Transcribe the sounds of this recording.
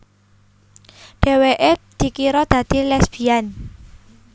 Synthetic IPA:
ɖ̥e̤weʔed̪̥i̤kiɾɔd̪̥ä̤d̪̥i̤lɛsb̥ian

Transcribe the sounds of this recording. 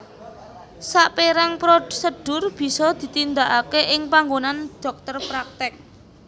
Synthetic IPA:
saʔpeɾaŋpɾosəɖ̥ʊ̤rb̥i̤sɔd̪̥i̤t̪ind̪aʔakeʔɪŋpaŋɡonanɖ̪̥ɔ̤k̚t̪ərpɾak̚t̪ɪk̚

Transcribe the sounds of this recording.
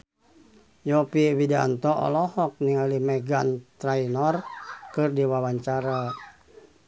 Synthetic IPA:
jɔpiwida̰nt̪ɔʔɔ̰lɔhɔk̚niŋalimɛɡant̪ɾainɔrkɨrdiwawaɲt͡ʃaɾa

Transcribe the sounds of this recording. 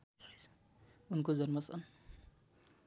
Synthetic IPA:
unkod͡zʌnmʌsʰʌ̰n

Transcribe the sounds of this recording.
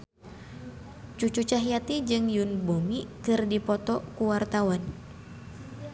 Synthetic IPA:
t͡ʃut͡ʃut͡ʃaɦjat̪id͡ʒɨŋjunbomikɨrdipɔt̪ɔkuwart̪awan

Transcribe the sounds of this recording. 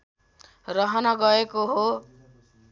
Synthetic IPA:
rʌɦʌnʌɡʌekoɦo

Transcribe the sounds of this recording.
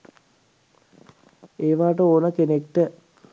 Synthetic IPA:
eːʋaːʈəoːnəkenekʈə

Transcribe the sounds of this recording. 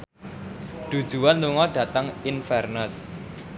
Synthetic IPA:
d̪̥ṳd̥ʒ̥ṳwanluŋɔɖ̥ä̤t̪əŋinfɛrnəs

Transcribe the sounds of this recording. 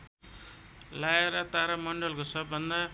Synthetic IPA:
lajeɾʌt̪aɾamʌɳɖʌlkosʌbːʌnd̪a

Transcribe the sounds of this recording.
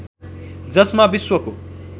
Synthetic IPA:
d͡zʌsmabiswʌko

